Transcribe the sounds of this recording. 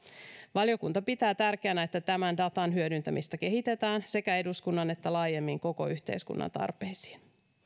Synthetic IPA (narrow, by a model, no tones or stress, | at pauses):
ʋɑljo̞kunt̪ɑpit̪æːt̪ærk̟eænæe̞t̪ːæt̪æmændɑt̪ɑnɦyødynt̪æmist̪æke̞ɦit̪e̞t̪æːnse̞kæe̞duskunːɑne̞t̪ːælɑːje̞mːiŋko̞ko̞̰yçt̪ḛjskṵnːʔɑ̰nt̪ɑ̰rpe̞jsi̥ːn